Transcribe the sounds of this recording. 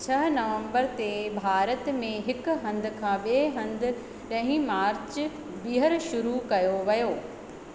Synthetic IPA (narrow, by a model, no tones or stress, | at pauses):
t͡ɕʰɐɦnɐʋə̃mbəɾt̪ebʱaːɾət̪mẽɦɪkɦɐ̃nd̪ɪ̆kʰãːɓeɦɐ̃nd̪ɪ̆ | ɗɐ̃ɦĩmaːɾt͡ɕ | biːɦəɾʃʊɾukɐjoʋɐjoː